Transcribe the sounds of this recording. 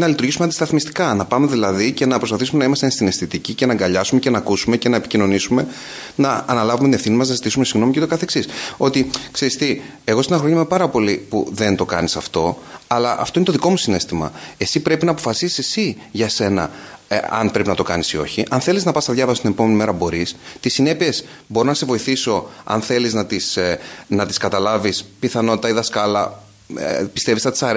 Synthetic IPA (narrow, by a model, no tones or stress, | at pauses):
nɐlit̪uɾʝisumɛɐnd̪ist̪ɐθmist̪i̥kɐnɐpɐme̞ðilɐðice̞nɐpɾo̞spɐθisume̞nɐimɐst̪enst̪inest̪it̪icice̞nɐŋɡɐʎɐsume̞cenɐkusume̞ce̞nɐepicino̞nisume̞ | nɐːnɐlɐvumet̪ine̞fθinimɐznɐzit̪isume̞siɣno̞micet̪okɐθe̞ksiso̞t̪ikse̞ɾist̪i | e̞ɣo̞st̪inɐxɾo̞ɲɐmepɐɾɐpo̞lipṵðe̞nt̪o̞kɐ̰nisɐft̪o̞ɐlɐʔɐft̪o̞inet̪ðiko̞musine̞st̪imɐ̰e̞sipɾe̞pinɐːpo̞fɐsisi̥se̞siʝɐse̞nɐ̰ɐ̰npɾe̞pinɐt̪o̞kɐnisio̞çiʔɐnθe̞liznɐpɐst̪ɐðʝɐvɐsost̪inepo̞me̞nime̞ɾɐbo̞ɾist̪isine̞pie̞s | bo̞ɾonɐse̞vo̞iθiso̞ɐ̰nθe̞liznɐt̪isnɐt̪i̥skɐt̪ɐlɐvispiθɐno̞t̪it̪ɐiðɐskɐlɐ | pi̥st̪e̞visnɐt̪i̥sɐɾ